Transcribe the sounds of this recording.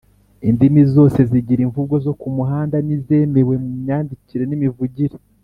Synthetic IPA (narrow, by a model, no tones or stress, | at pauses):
indimizo̞ːse̞ziɟiɾiɱvuɡo̞zo̞kumuɦaːndanize̞ːme̞ɾwe̞muɲɲaːndiciɾe̞nimivuɟiɾe